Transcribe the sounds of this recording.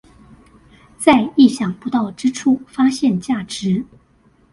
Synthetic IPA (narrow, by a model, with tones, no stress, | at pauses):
t͡sa˥˧ɪi˥˩ɕjɑ˨˩ŋpu˧˥t̪ɑ˥˩ʊʈ͡ʂɻ̩˥ʈ͡ʂʰu˥˩fa˥ɕjɛ˥˧nt͡ɕja˥˩ʈ͡ʂɻ̩˧˥